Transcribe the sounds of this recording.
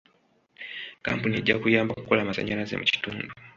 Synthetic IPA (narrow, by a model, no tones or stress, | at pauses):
ka̰mpunieɟːakujaːmbakukolaːmasa̰ɲalazḛmuci̥tuːndu